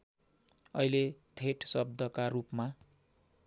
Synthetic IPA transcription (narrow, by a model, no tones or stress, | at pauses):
ʌilet̪ʰeʈsʌb̚d̪ʱʌkarupma